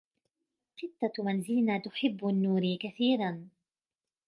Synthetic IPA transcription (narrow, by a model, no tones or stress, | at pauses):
qɪt̪ːamanzɪlnat̪ʊħɪbːnːuːɾikaθiːɾan